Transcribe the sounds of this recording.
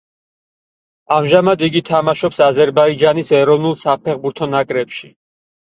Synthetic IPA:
amʒamad̪iɡit̪ʰamaʃɔpsazɛɾbaid͡ʒanisɛɾɔvnulˠsapʰɛχbuɾt̪ʰɔnakʼɾɛpʃi

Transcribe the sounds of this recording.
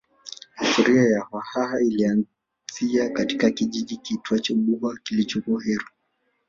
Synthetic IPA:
hituɾiajahahaɦailian | z̥iakatikakiʄiʄikituat͡ʃɔɓuakilit͡ʃukuaɦɛɾu

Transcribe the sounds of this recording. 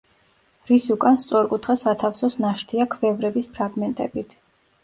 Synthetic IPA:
ɾisukʼanst̪sʼɔɾkʼut̪ʰχɛsat̪ʰafsɔsnaʃt̪ʰiakʰvɛvɾɛbispʰɾaɡmɛnt̪ʼɛbit̪ʰ

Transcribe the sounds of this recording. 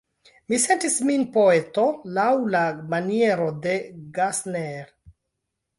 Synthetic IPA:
mise̞ntisminpo̞e̞to̞lawlamanie̞ɾo̞de̞ɡasneɾ

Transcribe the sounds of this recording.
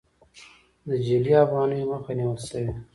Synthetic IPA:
d̪əd͡ʒiliafɣɑːnəjoməxaniwəlsəwi

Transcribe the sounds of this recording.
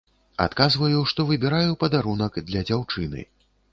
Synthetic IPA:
a̰t̪kazvɐjuʂt̪ɔvɨbʲɛɾajupɐd̪aɾunɐkd̪lʲɐd͡zʲawt͡ʂɨnɨ̰

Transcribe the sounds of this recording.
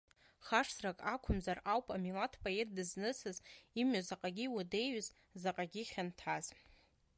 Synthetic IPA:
χaʂsrakʼakʷʰʊmzarawpʼamilatʰpʼoe̞t̚ʰdɨznɨsɨzimazaqʼaɡʲiwude̞jɥz | zaqʼaɡʲiχʲantʰaz̥

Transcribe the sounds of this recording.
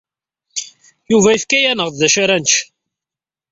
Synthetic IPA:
juvæiθkæjænəʁððæʃaɾænʃ

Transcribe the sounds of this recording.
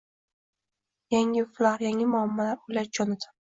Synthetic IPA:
jaŋɪflaɾjaŋɪmʊamːalaɾʊjlaɾt͡ʃʰɒnɪd̪ɪ̥

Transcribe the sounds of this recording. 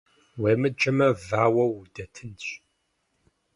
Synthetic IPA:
weːmɨd͡ʒɐmɐvaːwɐwdɐtʰɨnɕ

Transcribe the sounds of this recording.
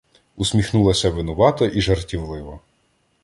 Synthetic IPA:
usʲmʲixnulˠɐsʲɐʋɪnʊʋɑt̪ɔʔiʒɐrtʲiʋlˠɪʋɔ

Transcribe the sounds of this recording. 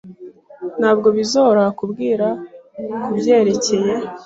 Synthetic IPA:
n̥haːbɡo̞βizoɾakubɡiːɾakubje̞ːɾe̞ce̞je̞

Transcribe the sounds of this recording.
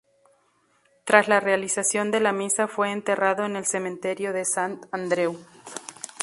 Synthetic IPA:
t̪ɾaslare̞alisasjo̞nd̪e̞lamisafweːnt̪e̞raðo̞ene̞lse̞mẽnt̪e̞ɾjo̞ðe̞sant̪and̪ɾe̞w

